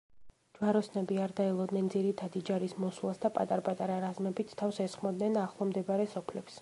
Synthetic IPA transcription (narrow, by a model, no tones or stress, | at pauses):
d͡ʒwaɾɔsnɛbiaɾd̪aɛlˠɔd̪nɛnd̪ziɾit̪ʰad̪id͡ʒaɾismɔslˠa̰sd̪apʼa̰t̪ʼaɾpʼat̪ʼaɾaɾazmɛbit̪st̪ʰafsɛsχmɔd̪nɛnaχlˠɔmd̪ɛbaɾɛsɔpʰlɛps